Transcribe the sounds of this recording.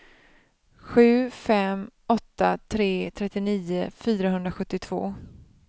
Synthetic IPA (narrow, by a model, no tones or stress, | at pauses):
ɧʉ̟ːfɛmɔt̪ːat̪ʰɾeːt̪ʰɾɛt̪ːɪniːʊfyːɾaɦɵnd̪ɾaɧɵt̪ːɪt̪ʰv̥o̰ː